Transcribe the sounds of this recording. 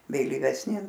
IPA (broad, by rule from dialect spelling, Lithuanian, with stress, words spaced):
ʋʲeːlʲiːʋʲɛsʲˈnʲɪ